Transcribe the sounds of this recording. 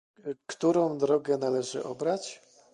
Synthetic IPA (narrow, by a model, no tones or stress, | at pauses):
kt̪uɾɔ̃w̃d̪ɾɔɡɛn̪alɛʐɘ̰ʔɔbɾat͡ɕ